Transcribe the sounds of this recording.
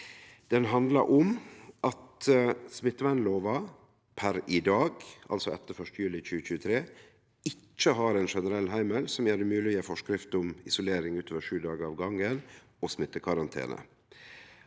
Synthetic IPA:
d̪̥ɛnɦɑnd̪lɑɾʔʊmʔɑt̪smɪt̪ːəʋæɪnloːʋɑ | pʰæɾɪd̪ɑːɡʔɑ̰lsɔɛ̰t̪ːəɾfœʂtəjʉːlɪc͡çʉːəc͡çʉːət̪ʰɾeː | ɪt͡ʃːəɦɑɾɛɪnʂɛnəɾɛlːɦæɪməlsɔmjæːɖɛmʉːlɪəfɔʂkɾɪft̪ʊmɪsʊleːɾɪŋʉːt̪ʰoːʋəʂʉːd̪ɑːɡəɾɑːʋɡɑŋən | ɔsmɪt̪ːəkʰɑɾɑnt̪ʰḛːnə̰

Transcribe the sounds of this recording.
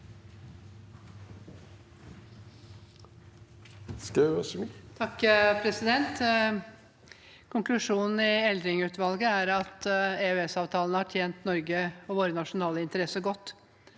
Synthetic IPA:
skɑst̪ʰɑkːpʰɾɛsɪd̪ɛnt̪ | kʰʊŋklʉʂuːnn̩ɪɛld̪ɾɪŋʉːt̪ʋɑlɡəæɾɑt̪eøɛsɑːʋt̪ʰɑːlnəhɑʈʰjeːnt̪nɔɾɡəɔʋoːɾənɑʂʊnɑːləɪnt̪əɾɛsːəɡɔt̪ː

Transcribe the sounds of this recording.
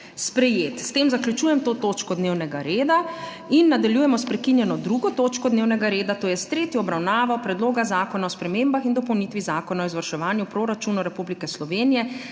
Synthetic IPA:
spɾɛjeːt̪st̪eːmzakljut͡ʃuːjɛmt̪oːt̪oːt͡ʃkɔd̪neːwnɛɡaɾeːd̪a | inːad̪aljuːjɛmɔspɾɛkinjɛnɔd̪ɾuɡɔt̪oːt͡ʃkɔd̪neːwnɛɡaɾeːd̪at̪oːjɛst̪ɾeːt̪jɔɔbɾawnaːʋɔpɾɛd̪loːɡazaːkɔnaɔspɾɛmeːmbaxind̪ɔpɔwnit̪ʋizaːkɔnaɔizʋɐɾʃɛʋaːnjupɾoːɾat͡ʃuːnɔɾɛpublikɛslɔʋeːnijɛ

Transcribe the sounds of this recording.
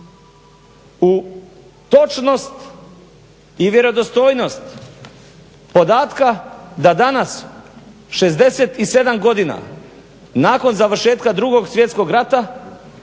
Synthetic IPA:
u | t̪o̞t͡ʃno̞st̪ | iʋje̞ɾo̞d̪ost̪o̞ːjno̞st̪ | po̞d̪aːt̪kad̪ad̪anas | ʃe̞zd̪e̞set̪ise̞d̪amɡo̞d̪ina̰ | naːko̞nzaʋr̩ʃe̞ːt̪kad̪ɾuɡo̞ɡsʋjet̪sko̞ɡɾat̪a

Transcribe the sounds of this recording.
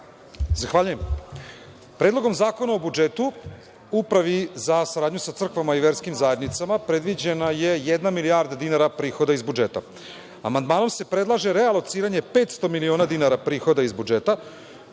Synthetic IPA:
zaxʋaːʎujem | pɾed̪lo̞ɡo̞mzaːko̞naobud͡ʒeːt̪u | upɾaʋizasaɾaːd̪ɲusat̪r̩kʋamaiʋe̞ɾskimzaje̞d̪nit̪samapɾe̞d̪ʋid͡ʑenaje̞jed̪namiliaɾd̪ad̪inaɾapɾiːxo̞d̪aizbud͡ʒe̞ːt̪a̰ | amand̪maːno̞mse̞pɾe̞d̪lˠaʒe̞ɾealˠo̞t̪siːɾaɲe̞pe̞ːt̪st̪o̞milioːnad̪inaɾapɾiːxo̞d̪aizbud͡ʒeːt̪a

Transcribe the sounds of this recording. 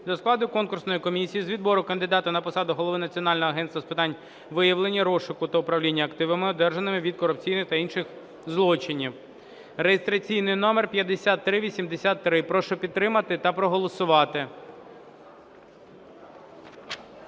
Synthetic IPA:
d̪ɔsklˠɑd̪ʊkɔnkʊrsnɔjikɔmʲisʲijizʋʲid̪bɔɾʊkɐnd̪ɪd̪ɑt̪ʊnɐpɔsɑd̪ʊɦɔlˠɔʋɪnɐt͡sʲiɔnɑlʲnɔɦɔɐɦɛnst̪ʋɐspɪt̪ɑnʲ | ʋɪjɐʋlˠenʲːiɾɔʃʊkʊt̪ɐʊpɾɐʋlʲinʲːɐɐkt̪ɪʋɐmɪɔd̪ɛrʒɐnɪmɪʋʲid̪̚kɔɾʊp̚t͡sʲijnɪxt̪ɐinʃɪx | zlˠɔt͡ʃɪnʲiw | rejest̪ɾɐt͡sʲijnɪjnɔmerpʲjɐd̪esʲat̪ːɾɪʋʲisʲimd̪esʲat̪ːɾɪpɾɔʃɔpʲid̪ɾɪmɐt̪ɪt̪ɐpɾɔɦɔlˠɔsʊʋɑt̪ɪ

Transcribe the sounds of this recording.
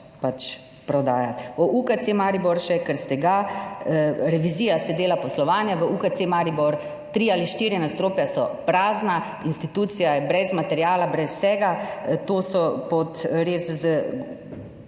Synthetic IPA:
pat͡ʃ | pɾɔd̪aːjat̪ɔʔukat̪semaɾibɔɾʃɛkəɾst̪ɛɡa | ɾɛʋiziːjasɛd̪eːlapɔslɔʋaːnjaʋəʔukat̪semaɾibɔɾ | t̪ɾialiʃt̪iːɾjɛnast̪ɾoːpjasɔpɾaːzna | inst̪it̪uːt̪sijajɛbɾɛzmat̪ɛɾjaːlabɾɛsːɛːɡat̪oːsɔpɔt̪ɾeːszə

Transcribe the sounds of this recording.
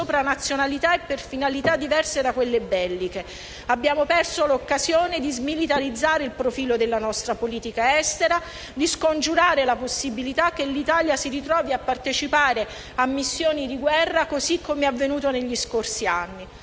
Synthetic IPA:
oːpɾanat̪sːjonalit̪aepːerfinalit̪ad̪ːivɛrsed̪akwelːebɛlːike | abːjaːmopɛrsolokːazjoːned̪izmilit̪aɾid̪zːaːɾeilpɾofiːlod̪elːanɔst̪ɾapoliːt̪ikaɛst̪eɾa | d̪iskond͡ʒuɾaːɾelaposːibilit̪ak̟ːelːit̪aːljasiɾit̪ɾɔːviapːart̪et͡ʃipaːɾe | amːisːjoːnid̪iɡwɛrːakozikʰːomeavːenuːt̪oneʎːiskorsianːi

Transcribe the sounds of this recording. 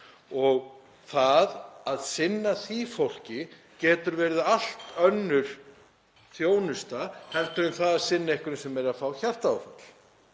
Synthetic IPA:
ɔɣ | θaðaðsɪnːaθifowl̥cɪ | cɛːt̪ʏɾvɛːɾɪðal̥t̪œnːʏɾ̥ | θjoːwnʏst̪ahɛlt̪ʏɾʏnθaðḁsɪnːaehkʏɾnɪsɛmɛɾɾafawçar̥t̪awfa̰t̪l̥

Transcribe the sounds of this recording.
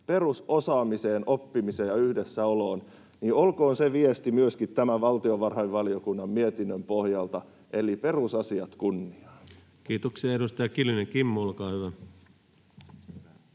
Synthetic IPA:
pe̞rusosɑːmise̞ːnʔopːimiseːjɑyhdesːæoloːn | niolko̞ːnseʋiest̪imyøskit̪tæmæʋɑlt̪ioʋɑrhɑiʋʋɑliokunːɑmmiet̪inːømpohjɑlt̪ɑ | ʔelipe̞rusɑsiɑt̪kunːiɑ | kiːt̪oksiɑedust̪ɑjɑkilyneŋkimːuolkɑːhyʋæ

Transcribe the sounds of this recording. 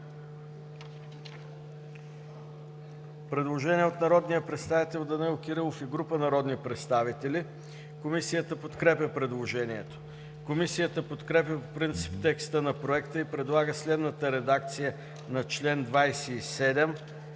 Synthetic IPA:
pɾɛd̪lˠoʒɛniɛot̪nɐɾɔd̪nijəpɾɛt̪st̪avit̪ɛlˠd̪ɐnɛlˠokiɾəlˠofiɡɾupənɐɾɔd̪nipɾɛt̪st̪avit̪ɛli | komisijət̪əpot̪kɾɛpʲəpɾɛd̪lˠoʒɛniɛt̪o̥ | komisijət̪əpot̪kɾɛpjəpopɾint̪si̥pt̪ɛkst̪ənɐpɾoɛkt̪əipɾɛd̪lˠaɡəslɛd̪nət̪əɾɛd̪ak̚t̪sijə | nɐt͡ʃlɛnd̪vajsɛisɛd̪ɛm

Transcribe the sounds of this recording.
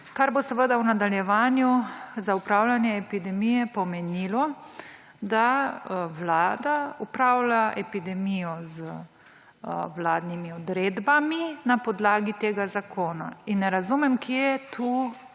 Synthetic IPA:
kaɾbosəʋəd̪awnad̪aljɛʋaːnjuzaupɾawlanjɛɛpid̪ɛmijɛpɔmɛniːlɔ | d̪awlaːd̪aupɾawlaʔɛpid̪ɛmijɔzə | wlaːd̪nimiɔd̪ɾeːd̪baminapɔd̪laːɡit̪eːɡazakʰoːna̰inːɛɾazumɛmkjɛt̪ʰu

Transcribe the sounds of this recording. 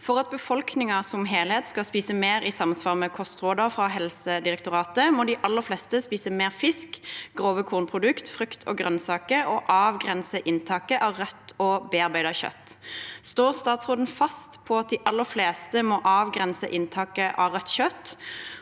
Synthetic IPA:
fɔʁɑt̪̚bəfɔlknɪŋəsɔmɦeːlhɛt̪skɑlspiːsəmeːɾisɑmsʋɑːʁmɛkʰɔst̪ʁoːd̪ɑfʁɑɦɛlsəd̪ɪʁɛkt̪ʊʁɑːt̪əmɔd̪ɪʔɑlːəflɛst̪əspiːsəmeːʁfɪskɡ̥ʁoːʋəkʰuːʁnpʰʁʊd̪ʉkt̪fɾʉkt̪ʰɔ̰ːɡʁœnsɑːkəɔʔɑːʋɡʁɛnsəʔɪnt̪ʰɑːkəʔɑʁœt̪ːɔbeːɑʁbæɪd̪ɑçœ̰t̪ːst̪oːʁst̪ɑːt̪sʁoːd̪ən̩fɑst̪pʰɔɑt̪̚d̪ɪʔɑlːəfleːst̪əmɔʔɑːʋɡʁɛnsə̰ʔɪnt̪ʰɑːkəʔɑʁœt̪ːɕœt̪ː

